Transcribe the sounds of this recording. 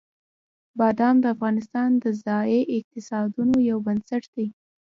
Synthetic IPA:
bɑd̪ɑmd̪əafɣɑnɪs̬t̪ɑnd̪əzɑjeʔɪq̚t̪ɪsɑd̪unojawbansaʈd̪̥ej

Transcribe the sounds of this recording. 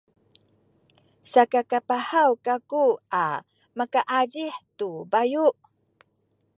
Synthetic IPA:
sakakapahawkakua | makaʔaɟiħtubajuʔ

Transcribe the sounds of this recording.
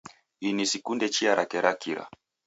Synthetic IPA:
hinisikundɛt͡ʃiaɾakɛɾakiɾa̰

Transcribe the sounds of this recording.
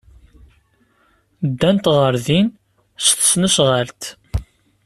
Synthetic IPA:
d̪ːænt̪ʁəɾðin | st̪ə̥snusʁalt̪

